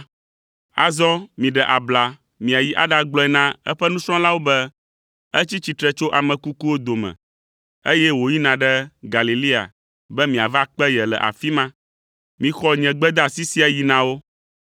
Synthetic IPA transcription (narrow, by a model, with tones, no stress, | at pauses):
a̰˨zɔ̃˦mĩ˨ɖɛ˨ʔa˨bla˨ | mĩ˨a˨ji˦ʔa˦ɖa˨ɡ͡blɔ˦ɛ˨nã˦ɛ̰˦ɸɛ˦nũ˦sɾɔ̃˦la˦wo˦bɛ˦ | ɛ˦t͡ɕi˦t͡ɕi˨t̪ɾɛ˦t͡ʃo˦ʔa˨mɛ̃˨ku˦ku˦wo˦d̪o˨mɛ̰̃˨ | e˦jɛ˦wo˨ji˦nã˨ɖɛ˦ɡa˨li˨li˦a̰˨ | bɛ˦mĩ˨a˨va˦k͡pɛ˦jɛ˨lɛ̰˨ʔa̰˨fi˦mã˦ | mĩ˨xɔ˦ɲɛ̃˨ɡ͡bɛ˦d̪a˨si˦si˦a˨ji˨nã˨wo˦